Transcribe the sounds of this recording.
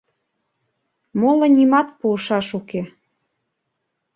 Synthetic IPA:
molŏnimɑt̪̚puəʃɑʃuke

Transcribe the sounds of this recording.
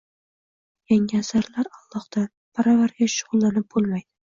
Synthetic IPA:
jaŋɪasaɾlaɾɑalˠːɒhd̪̥a | pʰaɾavaɾɡʲaʃʊʁʊlˠːanɪp̚bolˠmajd̪ɪ

